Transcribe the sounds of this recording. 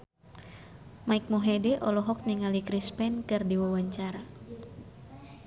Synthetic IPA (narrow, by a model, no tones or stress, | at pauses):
maik̚moɦedɛʔɔlɔɦɔk̚niŋalikɾispɛnkɨrdiwawaɲt͡ʃaɾa